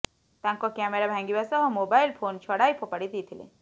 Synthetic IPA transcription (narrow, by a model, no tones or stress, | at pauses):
t̪ãŋkɔkɛmeɾabʱãŋɡibasɔɦɔ̃mobajlpʰont͡ʃʰɔɽajpʰɔpaɽid̪it̪ʰilḛ